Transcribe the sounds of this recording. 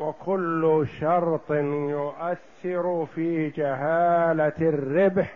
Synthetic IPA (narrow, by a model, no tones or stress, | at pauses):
wɪkʰʊlːʃɑɾˤt̪ˤnjʊʔaθːɪɾʊfiːd͡ʒaɦaːlarːɪbħ